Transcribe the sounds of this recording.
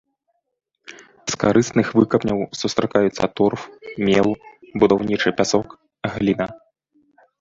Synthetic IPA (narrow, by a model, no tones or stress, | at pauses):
skaɾɨsnɨxvɨkɐpnʲɐwsust̪ɾakajut̪sːɐ̰t̪ɔrfmʲɛlˠbud̪awnʲit͡ʂɨpʲasɔk | ɣlʲinɐ